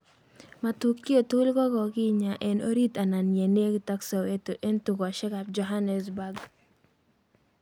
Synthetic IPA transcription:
ma˨tu˦kːi˦o˨tu˦lkɔ˦ɡɔ˨kɪ˦ɲa˨ʔɛ˨no̰˦ɾi˦ta˨na˨nje˨ne˦kɪ˨ta˦ksa˨we˦to˨ʔe˦ntu˨kɔ˨ʃɛ˦ka˨p̚d͡ʒɔ˨ɦa˦nɛ˨sba˦ɡ

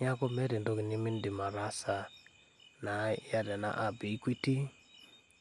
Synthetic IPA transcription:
ɲa˦kɔ˦mɛ˦ɾɛ˨ndo˦ki˨ni˦mi˦ndi˨ma˨ɾa˦sa˨ | na˨˦ja˦dɛ˨na̰˦ʔa˨bi˨i˦kwi˦ti˦

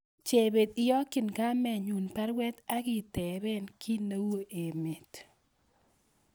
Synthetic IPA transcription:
t͡ʃe˨be˨t̪ɪ˦jɔ˦kɪ˨nka˦mɛ˨ɲu˨npa˦ɾwɛ˦t̪a˦kɪ˨tɛ˨ɾɛ˦nkʰi˦na˦wo˦ʔe˨me˨t̪

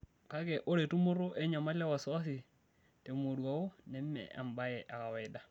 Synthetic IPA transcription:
ka˦kɛ˨ʔo˦ɾe˨tu˦mʊ˦ɾo˦ʔɛ˦ɲa˨ma˦la˦wa˨swa˦s̬ɪ˨ | te˨mo˨dwa˨o˦nɛ˦mːɛ̰˨a̰˨mba˦jɛ˨ʔa˨ka˨wɛ˨da˦

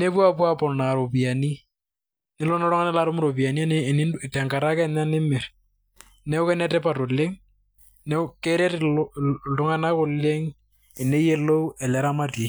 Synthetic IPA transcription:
ne˦pwa˦pwa˦pɔ˨na˨ɾo˨pi˨a˨ni˦ | nɪ˨lɔ˦nɔ˦ɾɔ˦ŋa˦nɛ˦la˦ɾo˦mʊ˦ɾo˨pi˨a˨ni˦a˦n˨nɪ˦ɪ˨tɛ˨ŋka˨ɾa˦kɛ˦na˦nɪ˦mɪ˨ɾ | nɛ˦ʊ˦kɛ˦nɛ˦tɛ˦pa˨to˨lɪ˦ŋ | nɛkeɾe˦t | tʊ˦ŋa˦na˦kʊ˨lɪ˦ŋ | e˨ne˦je˦lo˦u˦ɛ˨lɛ˦ɾa˦ma˦te˨

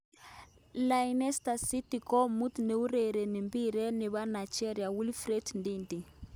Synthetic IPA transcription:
la˨inɛ˦sta˨si˦ti˨kɔ˦mu˦t̪ne˨u˦ɾɛ˨ɾe˨ni˨mbi˦ɾɛ˦nɪ˨βa˦na˨t͡ʃɛ˦ɾja˨wu˦lfɾɛ˦tndindi˨

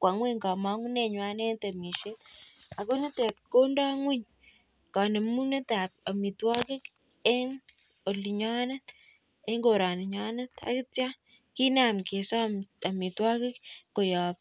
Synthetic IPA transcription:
kwa˨ŋwe˦ŋɡa˨ma˦ŋu˦ne˦˨ɲwa˦ne˦nt̪e˨mi˨ʃe˦ta˨ko˦ne˦te˨tko˦nda˦ŋu˦ɲ | ka˨ne˨mu˦ne˦ta˨p̚a˨mi˨twa˦ke˦k | e˦ŋ | o˨li˨ɲa˦na˦t | e˦ŋɡo˨ɾa˨ni˨ɲa˦na˦ta̰˨˦ki˦tja˦ | ki˦na˨mke˨sa˦a˨mi˨twa˦ke˦kko˨ja˨p

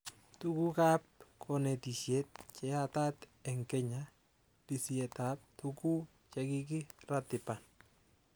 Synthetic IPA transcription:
tu˦ku˦ka˦p̚kʰɔ˨nɛ˨ti˨sje˦t̚t͡ʃɛ˦ata˦t̪ɛ˨ŋkɛɲa | pi˨sie˨tap̚tuku˦ | t͡ʃɛki˦k̬i˦ratɪ˨pan

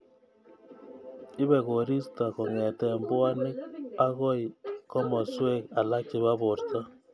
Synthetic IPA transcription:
i˦βɛ˨ɣo˨ɾi˦sta˨ɣo˨ŋɛ˨tɛ˨mbwa˦ne˦a˦ɣo˦i˨ko˦mɔ˨swe˦ka˨la˦ki˨βa˦βo˨ɾt͡sa˦

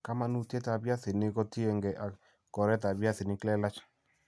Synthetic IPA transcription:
ka˦ma˦nu˦˨te˦ta˨bja˦si˨nɪ˦kɔ˦ti˦e˧ŋɡɛ˨ʔa˨ | kɔ˨ɾɛ˦t̬a˨bja˦si˨nɪ˦klɛ˦la˦t͡ʃḁ˨

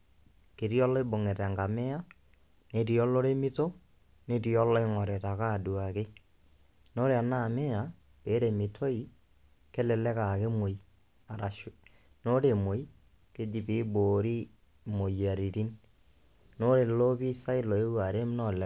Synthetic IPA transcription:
ke˨ɾi˦ɔ˦lɔ˦ɪ˦bo˨ŋe˨ɾa˨ŋɡa˨mɛ˦a˦ | ne˨ɾi˨ɔ˦lo˦ɾe˦mɪ˦to˦ | ne˦tiɔ˦lɔ˦ɪ˦ŋɔ˨ɾɛ˨ta˨ka˦˨du˨a˨ke˦ | no˦ɾe˨a˨na˦˨me˦a˨ | pe˨˦ɾe˨mɪ˨tʰo˦i˨ | ke˦lɛ˨lɛ˦ka˨ke˦mo˨i | a˨ɾa˨ʃ | no˦ɾe˨mo˨i˦ | ke˦di˨pɪ˨˦boː˨ɾi˦ | mo˨ja˨ɾi˨ɾi˦n | no˦ɾe˨lo˦pi˦sa˦ɪ˦lɔ˨e˦wa˨ɾe˦m˦nɔ˦˨lɛ˨˦

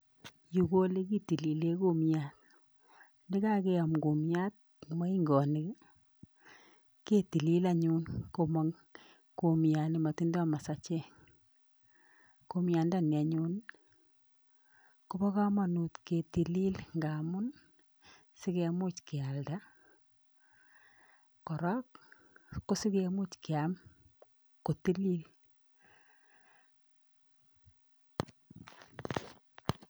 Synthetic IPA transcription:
ju˨ko˦le˦ki˦ti˨li˨le˦ko˦mja˨t | ndɪ˦ka˦ke˦a˨mko˨mja˦t̚ | ma˦i˦ŋɡɔ˨nɪ˨k | ke˦ti˨li˦la˨ɲu˦nko˨ma˨ŋ | ko˨mja˨nɪ˨ma˨ti˦nda˦ma˨sa˨t͡ʃe˦ | ko˦mja˨nda˨ni˨a˨ɲuː˦n | ku˦bɔ˦ka˦ma˨nu˨t̪ke˨ti˨li˦lŋɡa˨mʊ˦n | si˦kemu˦t͡ʃkɪ˨a˨lda˦ | kɔ˨ɾɔ˦kː | o˦si˦ke˨mu˦t͡ʃki˨am | ko˨ti˦li˦l

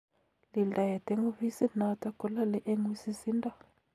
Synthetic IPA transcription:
li˨nda˨jɛ˨tɛ˦ŋu˦vi˦si˦na˦ta˦kɔ˨˦la˦lɛ˦ʔe˦ŋwi˦si˦si˦ndʼa˦

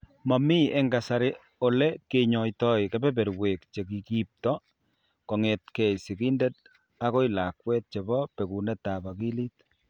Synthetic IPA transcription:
ma˨mi˦e˦ŋɡa˨sa˨ɾɪ | o˨le˦ke˨ɲɔ˨jtɔ˦i˨ke˦bɛ˦bɛ˨ɾwe˨k̚t͡ʃe˨ki˨ki˦p̚tɔ˦ | kɔ˨ŋe˨t̚kɛ˨si˨ki˦nde˦t̚ | a˦ko˦i˦la˨kwɛ˦t̚t͡ʃe˨bɔ˦pe˨ku˨nɛ˦ta˨ba˨ki˦li˦t̚

